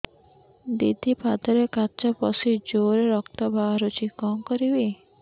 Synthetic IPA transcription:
d̪id̪ʱipad̪ɔɾekat͡ʃɔpɔsid͡ʒoɾeɾɔkt̪ɔbʱaɾut͡ʃʰikɔmkɔɾibe

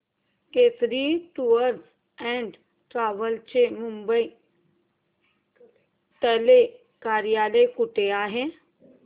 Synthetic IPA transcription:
keːsɾiʈuəɾs | ɛ̃ːɳɖ | ʈɾaːʋəlt͡ʃemʊ̃mbəi | t̪əle | kaːɾijaːləkʊʈeaːɦẽ

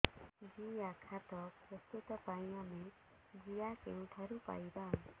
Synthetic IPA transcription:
d͡ʒijakʰat̪ɔpɾɔst̪ut̪ɔpajjame | d͡ʒijakeŋʈʰaɾupa̰jba

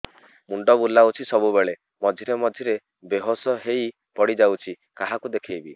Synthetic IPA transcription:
muɳɖɔbulːawt͡ʃʰisɔbubeɭe | mɔd̪ʱiɾemɔd̪ʱiɾe | beɦosɔɦej | pɔɽid͡ʒawt͡ʃʰi | kaɦakud̪ekʰejbi

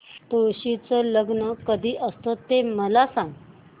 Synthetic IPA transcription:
t̪oɕit͡sələɡnəkəd̪ʱiːʔəst̪ot̪eməlasãŋɡ

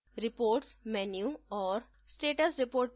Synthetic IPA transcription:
ɾɪpoːɾʈsmɛnjuɔːɾ | sʈeːʈəsɾɪpoːɾʈ

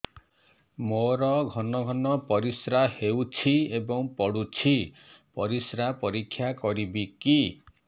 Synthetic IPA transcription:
moɾɔɡʱɔnɔɡʱɔnɔpɔɾisɾahewt͡ʃʰiebɔŋpɔɽut͡ʃʰi | pɔɾisɾapɔɾikʰːjakɔɾibiki

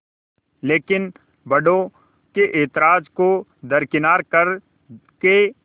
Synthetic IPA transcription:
leːkɪn | bɐɖõ | keʔeːt̪ɪɾaːd͡ʒkod̪ɐɾkɪnaːɾkɐɾ | ke

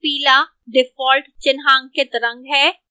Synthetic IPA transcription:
piːla | ɖɪfɔːlʈt͡ʃɪnɦaːŋɡket̪ɐɾə̃ŋɡɦɛː

